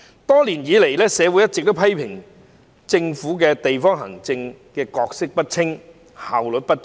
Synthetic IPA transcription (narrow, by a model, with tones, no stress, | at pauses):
t̪ɔː˥liː˨˩njiː˨˧le˨˩jlɛː˥sɛː˨˧wu˨˧˥jɐ˥tt͡sːɪ˨k̚t̪o˥wpʰɐ˥jpʰɪ˨˩ŋ | t͡sɪ˧ŋfuː˨˥k̬ɛː˧t̪e˨jfɔː˥ŋɦɐ̰˨˩ŋt͡sɪ˧ŋ | kɛː˧kɔː˧k̚sɪ˥k̚pɐ˥t̚t͡sʰɪ˥ŋ | haː˨wlɵ˨t̚pɐ˥t̚